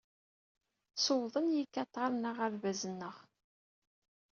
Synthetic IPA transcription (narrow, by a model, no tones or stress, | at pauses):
sowðˤənjikːɑt̪ˤːɑɾˤnəʁæɾvæzənːəʁ